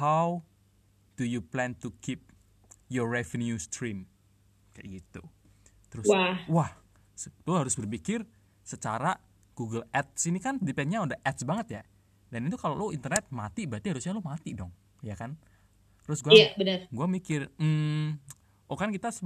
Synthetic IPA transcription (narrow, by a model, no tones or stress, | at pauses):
haw | d̥ujuplɛnt̪ukʰip̚ | jɔrrɛvənjust̪ɾim | ka̰jɡit̪u | t̪əɾʊsawah | sloɦaɾʊsbərpikɪr | sət͡ʃaɾa | ɡ̥uɡəlɛt̪̚sinikandepɛnɲaudahʔɛt̪̚sbaŋət̪ja | danit̪ukaloloint̪ərnɛt̪̚mat̪ibat̪iɦaɾʊsɲalʊmat̪idɔŋ | jakan | t̪ɾʊsɡuaabənərɡuamikɪrm̩ | ʔokankit̪as